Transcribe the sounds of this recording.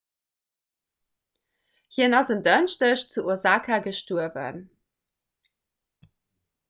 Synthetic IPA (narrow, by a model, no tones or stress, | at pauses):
hiənɑzəndənʃtəʃt͡suʔuɐzaːkʰaɡəʃtuəvə̰n